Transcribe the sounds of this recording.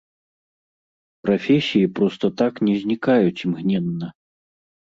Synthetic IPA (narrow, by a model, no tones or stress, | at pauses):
pɾafʲɛsʲijipɾɔst̪ɐt̪aknʲɛzʲnʲikajut͡sʲimɣnʲɛnːɐ